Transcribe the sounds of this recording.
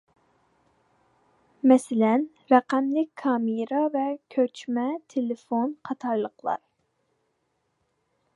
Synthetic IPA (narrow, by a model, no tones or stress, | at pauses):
mɛsɪlɛn | ɾɛqæmlɪkʲkʰɑːmɨɾɑvɛkʲʰøt͡ʃʰmɛt̪ʰelɪfonqʰɑt̪ʰɑɾlˠəqlˠɑ̰ɾ